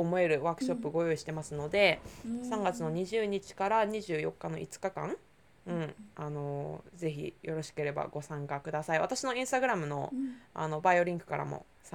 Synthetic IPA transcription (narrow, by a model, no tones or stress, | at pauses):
omo̞e̞ɾɯ̟βaːkɯ̟ɕo̞pːɯ̟ɡo̞jo̞iɕi̥t̪e̞masɨno̞d̪e̞sãŋɡat͡sɨno̞ɲ̟iʑɨːɲ̟it͡ɕi̥kaɾaɲ̟iʑɨːjo̞̰kːano̞̰ʔḭt͡sɨ̥kakã̰ŋ | ɯ̟̃ɴano̞ze̞çḭjo̞ɾo̞ɕi̥ke̞ɾe̞ba̰ɡo̞sãŋkakɯ̟d̪asaiβa̰t̪aɕino̞ĩɰ̃st̪aɡɯ̟ɾamɯ̟no̞̰a̰no̞baio̞ɾʲĩŋkɯ̟̥kaɾa̰mo̞̰ | sa